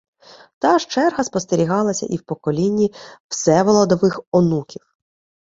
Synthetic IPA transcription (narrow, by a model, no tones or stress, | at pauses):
t̪ɑʃt͡ʃɛrɦɐspɔst̪eɾʲiɦɑlˠɐsʲɐ̰ʔiwpɔkɔlʲinʲːiwsɛʋɔlˠɔd̪ɔʋɪxɔnukʲiw